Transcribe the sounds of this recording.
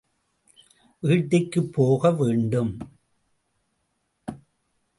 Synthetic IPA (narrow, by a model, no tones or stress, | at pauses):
ʋiːʈːɪkːɯpːoːɣɐʋeːɳɖɯm